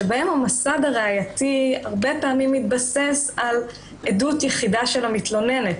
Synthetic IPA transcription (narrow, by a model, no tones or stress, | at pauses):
ebaemhamasadaʁeajatiaʁbepaːmimːit̪̚base̞sal | edutjɛχidaʃe̞lamit̪lo̞ne̞net